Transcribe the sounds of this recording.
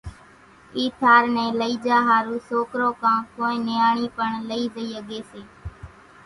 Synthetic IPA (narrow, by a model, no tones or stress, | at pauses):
iːt̪ʰaːɾnɛ̃ːləiːd͡ʒaːɦaːɾuːsoːkɾõːkãːkoːĩːnɪjaːɳiːpəɳləiːzəiːəɠeːseː